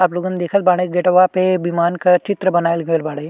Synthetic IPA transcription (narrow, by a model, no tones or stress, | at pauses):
aploɡənd̪ekʰət̪̚baɽ̃ejɡeʈɐʋapebimankɐt͡ʃit̪ɾəbənaːjlɡʱejlbaɽej